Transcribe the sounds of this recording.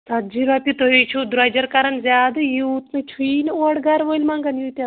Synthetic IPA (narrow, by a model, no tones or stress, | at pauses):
sɐt̪̚d͡ʒiɾapʲit̪oit͡ʃʰud̪ɾad͡ʒɐɾkɐɾɐnzʲjaːd̪ɨjiut̪net͡ʃʰuiːnoɽɡɐɾʋolʲmãŋɡɐnjut̪ʲa